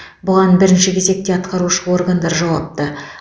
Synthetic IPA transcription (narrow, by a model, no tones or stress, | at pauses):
bʊʁɑnbɪɾɪnʃɪkʲʰeze̞k̚t̪e̞ɑt̪qɑɾuʃəwo̞rɡand̪ɑɾʒɑwɑp̚t̪ə